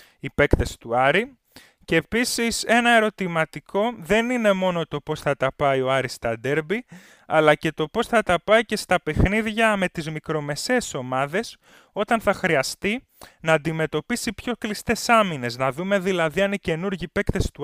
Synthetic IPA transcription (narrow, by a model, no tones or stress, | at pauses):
ipe̞kt̪est̪uɐɾi | ceːpisise̞nɐe̞ɾo̞t̪imɐt̪ikʰo̞ðe̞nine̞mo̞no̞t̪o̞po̞sθɐt̪ɐpɐio̞ɐɾist̪ɐd̪e̞ɾbi | ɐlɐce̞t̪o̞po̞sθɐt̪ɐpɐice̞st̪ɐpe̞xniðʝɐme̞t̪izmikɾo̞me̞se̞ːso̞mɐðe̞s | o̞t̪ɐnθɐxɾiɐst̪i | nɐːnd̪ime̞t̪o̞pisipço̞klist̪e̞sɐmine̞znɐðume̞ðilɐðiɐnice̞nuɾʝipe̞kt̪est̪u